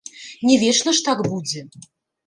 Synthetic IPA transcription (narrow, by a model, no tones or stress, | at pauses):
nʲɛvʲɛʂnɐʂt̪akbud͡zʲɛ